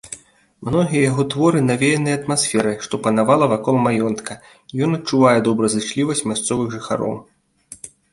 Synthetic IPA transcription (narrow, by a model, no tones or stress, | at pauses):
mnɔɣʲijɛjaɣɔt̪vɔɾɨnavʲejɛnɨjɐt̪masʲfʲɛɾɨʂt̪ɔpɐnavalˠɐvakɔlˠmajɔnt̪kʰɐ | ijɔnɐtt͡ʂuvajɛd̪ɔbɾɐzɨt͡ʂlʲivɐsʲt͡sʲmʲast̪sɔvɨxʐɨxa̰ɾɔ̰w